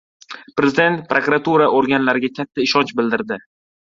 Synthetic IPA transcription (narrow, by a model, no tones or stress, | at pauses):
pɾezɪd̪e̞nt̪pɾokɾat̪ʰuɾaʔoɾɡʲanlaɾɪɡʲakʲʰat̪ʰːaɪʃɒnt͡ʃbɪld̪ɪɾd̪ɪ